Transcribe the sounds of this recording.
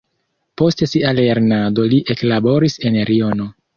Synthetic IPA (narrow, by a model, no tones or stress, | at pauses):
po̞stesiale̞ɾnado̞liʔe̞klabo̞ɾise̞nɾio̞no̞